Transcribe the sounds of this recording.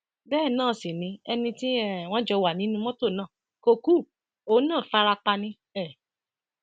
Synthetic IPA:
bɛː˦˨nãː˦˨si˨nĩ˨˧˦ɛ˧nĩ˧ti˦ɛ˦˨w̃ɔ̃˦d͡ʒɛ˧wa˨nĩ˨˦nũ˧˦m̃ɔ̃˦to˦˨nã˦˨ | ko˧ku˦˨ | o˨˦nãː˦˨fa˧ɾa˧k͡pa˧nĩ˧ | ɛ˦˨

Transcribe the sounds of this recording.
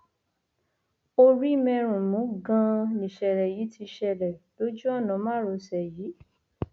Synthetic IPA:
o˧ɾi˦mɛ̃˧ɾ̃ũ˨mũ˨˦ɡã˧nĩ˨ʃɛ˨ɾɛ˨ji˨˦ti˧ʃɛ˧˨ɾɛ˨d̥o˦d͡ʒũ˦ɔ˦˨nã˨˦mã˦ɾo˨˧sɛ˨jiː˨˦

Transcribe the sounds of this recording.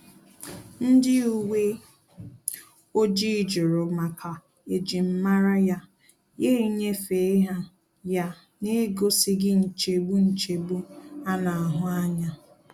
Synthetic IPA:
n̩˦dɪ˦u˨we˦ | o˦d͡ʒi˦˨d͡ʒʊ˨ɾʊ˨ma˨kʰa˨ | e˨d͡ʒi˨m̩˦ma˦ɾa˦ja˦ | je˦ɾi˦ɲe˦fe˨e˦ɦa˦ | ja˦ | ne˦ɡo˦si˦ɡɪ˦n̩˨t͡ʃe˨bu˦n̩˨t͡ʃe˨bu˦a˦na˨a˨ɦʊ˦a˦ɲa˦

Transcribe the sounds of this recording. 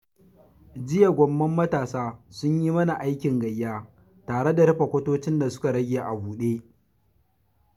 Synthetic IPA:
d͡ʒɪ˦ja˨ɡʷɔ˦mːɐ˦mːɐ˦taː˨saː˦sʊ˦ɲjiː˦mɐ˦na˨ʔa˦jkʲɪ˨ŋɡɐ˨jːaː˦ | taː˨ɽe˦da˨ɾɐ˦ɸɐ˨kʷɐ˦toː˦t͡ʃɪ˦nda˨sʊ̥˦ka˨ɽɐ˦ɡʲe˨ʔa˨buː˨ɗeː˦

